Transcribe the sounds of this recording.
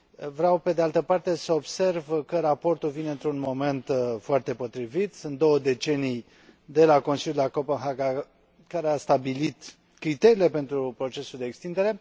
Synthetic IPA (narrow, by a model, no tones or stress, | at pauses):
vɾeawpe̞d̪e̞alt̪əpart̪e̞səobse̞rvkəɾapo̞rt̪ulvineɨnt̪ɾunmo̞me̞nt̪foart̪e̞po̞t̪ɾivit̪sɨnt̪̚d̪o̞wəd̪e̞t͡ʃe̞nij | d̪e̞lako̞nsilʲjud̪elakopənɦaɡa | kaɾeast̪abilit̪ | kɾit̪e̞ɾile̞pe̞nt̪ɾupɾo̞t͡ʃe̞suld̪e̞ːkst̪ind̪eɾe̞